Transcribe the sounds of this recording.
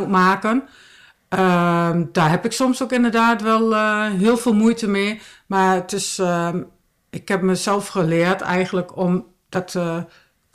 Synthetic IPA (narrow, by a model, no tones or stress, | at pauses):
tmaːkən | əd̥aːhɛpɪksɔmsokɪndərdaːtʋɛlˠɦiəlˠfɪːlˠmujtəmeːmaətɪs | ɪkhɛp̚məsɛlˠfxəlɪətʰɛ̰jɣən̩ləkʰɔm | d̥ɔt